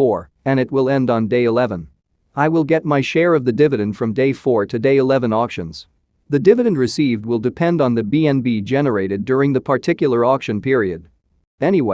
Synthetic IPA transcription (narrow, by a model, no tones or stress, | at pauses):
ɔɹ | ɨ̃ñɨt̚wɪlˠɛ̃ndn̩deɪɨlɛvə̃n | aɪwɪlˠɡɛt̚maɪʃɛɹʌvðɨdɪvɨɾɨ̃nd̥fɹʌ̃mdeɪfɔɹɾɨdeɪɨlɛvə̃nɔkʃɨ̰̃nz̥ | ðɨdɪvɨɾɨ̃n̩ɹɨsivd̚wɪlˠdɨpʰɛ̃ndn̩ðɨbiɛ̃nbid͡ʒɛnə˞eɪɾɨdʊɹɪ̃ŋðɨpʰə˞tʰɪkjl̩ˠə˞ɔkʃɨ̃npʰɪɹiɨd | ɛñiwe